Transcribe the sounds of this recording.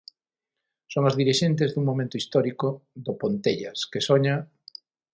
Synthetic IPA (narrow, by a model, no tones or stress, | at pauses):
soŋazðiɾiʃent̪̬ezðuŋmomẽnt̪oist̪ɔɾikoðopont̪eʎɐskesoɲa